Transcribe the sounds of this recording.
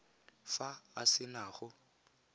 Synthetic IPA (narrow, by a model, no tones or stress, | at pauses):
faːsɪnaːχʊ